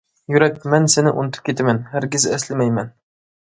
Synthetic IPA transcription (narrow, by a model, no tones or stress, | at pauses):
jʊɾak̚ʲmænsenɪʔʊ̰nɪt̪ʰɨ̥p̚kʲet̪amanhæɾɡʲɪzæslɪmæjman